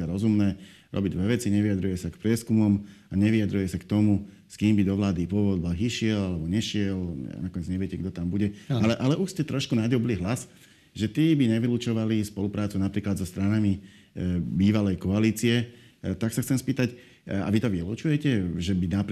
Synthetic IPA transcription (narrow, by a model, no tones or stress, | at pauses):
aɾɔzumnɛː | ɾɔ̰biɟd̪ʋɛʋɛt͡siɲɛʋiad̪ɾujɛsakpɾɪɛskumɔmaɲɛʋiad̪ɾujɛsakt̪ɔmu | skiːmbid̪ɔʋlaːd̪ipʊɔʋɔd̪̚baɦiʃɪɛlalɛbɔɲɛʃɪɛl̰nakɔɲɛd͡zɲɛʋɪɛcɛɡd̪ɔt̪ambuɟɛalɛʔalɛuʃscɛt̪ɾɔʃkunaɟɔbliɦlas | ʒɛt̪iːbiɲɛʋilut͡ʃɔʋalispɔlupɾaːt͡sunapɾiːklad̪zɔst̪ɾanami | biːʋalɛjkɔaliːt͡siɛt̪aksaxtt͡sɛmspiːt̪ac | a̰ʋit̪ɔʋilṵt͡ʃujɛcɛʒɛbinap